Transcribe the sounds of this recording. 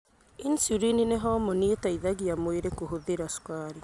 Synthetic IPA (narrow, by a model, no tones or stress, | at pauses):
insuɾinineɦɔmɔnietaiðaɣiamweɾekoɦoðeɾaskaːɾi